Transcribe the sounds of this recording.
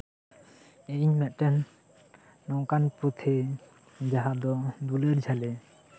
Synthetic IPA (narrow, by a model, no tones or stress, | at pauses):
eɲmɛʔʈɛnː | ɔŋkanpɔt̪ʰe | d͡ʒaɦad̪ɔd̪uleɾd͡ʒalɛ